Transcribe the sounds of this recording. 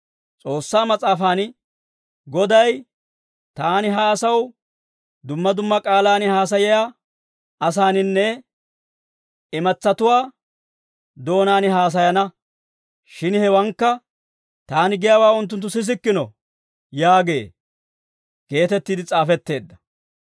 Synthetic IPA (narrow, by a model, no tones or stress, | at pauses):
t͡sʼo̞ːsːaːmɐt͡sʼaːfaːn | ɡɔd̪ɐj | t̪aːnɪɦaːsɐw | d̪ʊmːɐd̪ʊmːɐkʼaːlaːnɪhaːs̬ɐjɪjaː | ʔɐsaːnɪnːɛ | ɪmɐt͡sːɐt̪ʊwaː | d̪o̞ːnaːnɪɦaːs̬ɐjɐnɐ | ʃɪnhɛwɐŋkːɐ | t̪aːnɪɡɪjawaːʊnt̪̬ːʊnt̪ːʊsɪs̬ɪkːɪnɔ̰ | jaːɡe̞̰ː | ɡ̥e̞ːt̪ɛt̪ːiːd̪ɪt͡sʼaːfɛt̪ːe̞ːd̪ːɐ̥